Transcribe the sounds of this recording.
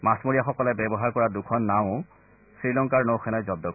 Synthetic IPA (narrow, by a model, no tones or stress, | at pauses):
masmoɹijaxɔkɔlɛbɛbɔɦaɹkɔɹadukʰɔnːaʊ̃ | sɹilɔŋkaɹnowxʰɛnɔjzɔb̚dɔ